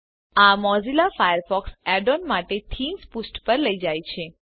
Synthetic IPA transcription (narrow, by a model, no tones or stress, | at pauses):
amɔzilafajəɾfɔksɛɖonmaʈet̪ʰinspusʈpəɾləid͡ʒajt͡ʃʰe